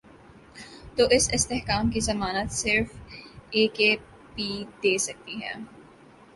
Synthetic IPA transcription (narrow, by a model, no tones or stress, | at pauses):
t̪oːʔɪsɪst̪ɛhkaːmkizɐmaːnət̪sɪɾfeːkeː | pid̪eːsɐk̚t̪iɦɛ̰ː